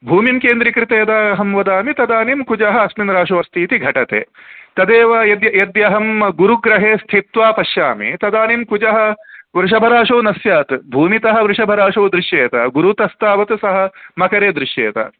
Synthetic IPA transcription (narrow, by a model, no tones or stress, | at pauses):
bʱuːmimkeːnd̪ɾikɾɪt̪eːd̪aːɐɦɐmʋɐd̪aːmit̪ɐd̪aːnimkud͡ʒɐɦɐ̆ɐsminɾaːʂɐʋɐɾst̪ʰiːt̪iɡʱɐʈɐt̪ḛːt̪ɐd̪eːʋɐjɐd̪jɐjɐd̪jɐɦɐmɡuɾuɡɾɐɦeːst̪ʰit̪ʋaːpɐʃjaːmḭt̪ɐd̪aːnimkud͡ʒɐɦɐ̆ʋɾɪʂ̬ɐbʱɐɾaːʂɐːnɐsjaːt̪bʱuːmit̪ɐɦɐ̆ʋɾɪʂɐbʱɐɾaːʂɐːd̪ɾɪʂjeːt̪ɐ̰ɡuɾut̪ɐst̪aːʋɐt̪sɐɦɐ̆mɐkɐɾeːd̪ɾɪʂjeːt̪ɐ̰